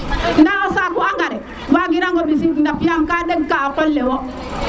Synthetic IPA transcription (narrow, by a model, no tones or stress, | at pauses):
ndaɔsakuaŋɡaɾɛ | baɡiɾaŋɡobis̬ikdafijamkadeɡkaːkɔlːɛwɔ